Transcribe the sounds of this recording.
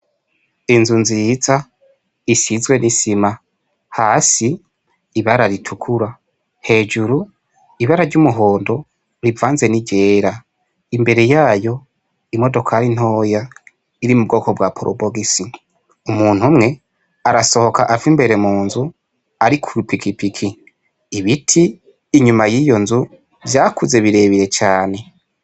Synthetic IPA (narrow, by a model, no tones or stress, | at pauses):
inzunziza | isizɡwe̞nʔisima | haːsiː | βaɾaɾitʰukʰuɾa | he̞ːd͡ʒuɾu | iβaɾaɾɟumuɦo̞ːndo̞ | ɾivaːnze̞niɟe̞ːɾa | imbe̞ɾe̞jaːjo̞ | imo̞do̞kʰaɾin̥ho̞ːja | iɾimub̚ɡo̞ːko̞bwapʰoɾʔo̰boɡisi | umuːn̥humŋe̞ | aɾaso̞ho̞kaʔavimbe̞ɾe̞muːnzu | aɾikʰuɾupikipikʰi | iβitʰiː | ɲumajijo̞nzu | zjaːkuze̞βiɾe̞βiɾe̞t͡ʃaːne̞